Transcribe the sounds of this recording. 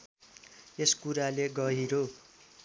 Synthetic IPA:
eskuɾaleɡʌɦiɾo

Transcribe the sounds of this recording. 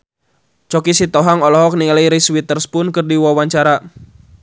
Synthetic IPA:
t͡ʃɔkisit̪ɔɦaŋɔlɔɦɔk̚niŋalaiɾiswit̪ərspʊnkɨrdiwawaɲt͡ʃaɾa

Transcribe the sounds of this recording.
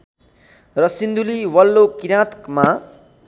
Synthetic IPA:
rʌsind̪uliwʌlːokiɾãt̪kma

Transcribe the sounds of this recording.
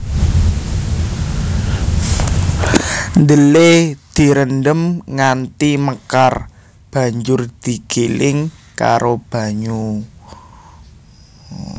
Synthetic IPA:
nd̪əled̪̥i̤ɾəndəmŋant̪iməkar | b̥a̤ɲd͡ʒʊrd̪̥i̤ɡ̥elɪŋ | ka̰ɾob̥a̤ɲu

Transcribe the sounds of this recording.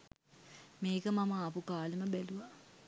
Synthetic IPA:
meːkəmamɐːpukaːlemɐbɛluʋa

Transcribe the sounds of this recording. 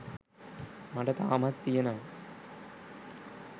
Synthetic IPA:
mɐɖɐt̪a̰ːmɐt̪ːijɐnaː

